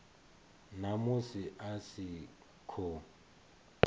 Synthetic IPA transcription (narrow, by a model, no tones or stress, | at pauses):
namʊsɪʔasɪ | kʰɔ